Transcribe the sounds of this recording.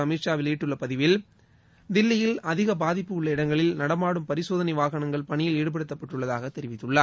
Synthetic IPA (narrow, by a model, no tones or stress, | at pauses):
ɐmiːʂaːʋɪliːʈːɯɭːɐpɐðɪʋɪl | d̪ɪlːɪjɪlɐðɪɣɐbaːðɪpːɯʊɭːɐɪɽɐŋɡɐɭɪlnɐɽɐmaːɽɯmpɐɾɪsoːðɐnɐɪʋaːɣɐɳɐŋɡɐɭpɐɳɪjɪleːɽɯp̬ɐɽɯt̪ːɐpːɐʈːɯɭːɐðaːɣɐt̪ːɛɾɪʋɪt̪ːɯɭːaː